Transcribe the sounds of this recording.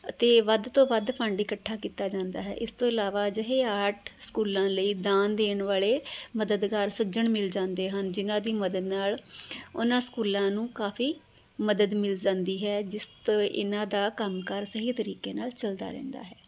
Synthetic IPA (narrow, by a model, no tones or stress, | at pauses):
ət̪eːʋəd̪t̪õːbəd̪pʰəɳɖɪkəʈʰːaːkiːt̪aːd͡ʒãːnd̪a̰ːɦɛ̰ːʔɪst̪õːɪlaːʋaːd͡ʒəɦeːaːʈʰskuːlãːləiːd̪aːnd̪eːɳʋaːleːməd̪əd̪ɡaːɾsəd͡ʒəɳmɪld͡ʒãːnd̪eːɦənd͡ʒɪnãːd̪iːməd̪əd̪naːlʊ̰nãːskuːlãːnũːkaːpʰiː | məd̪əd̪mɪld͡ʒãːnd̪iːɦɛːd͡ʒɪst̪oːʔɪ̰nãːd̪aːkəmkəɾsəɦiːt̪əɾiːkeːnaːlt͡ʃəld̪a̰ːɾɛ̰̃ːnd̪a̰ːɦɛː